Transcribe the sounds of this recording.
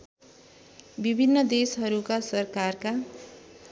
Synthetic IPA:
bibʱinːʌd̪esɦʌɾukasʌrkarka

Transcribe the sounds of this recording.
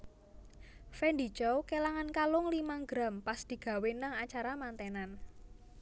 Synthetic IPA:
fɛnɖit͡ʃowkelaŋankalʊŋlimaɡɾampasd̪̥i̤ɡ̥ä̤wenaŋat͡ʃaɾamant̪enan

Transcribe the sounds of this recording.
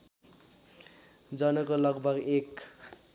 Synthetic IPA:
d͡zʌnʌkolʌɡbʱʌɡek

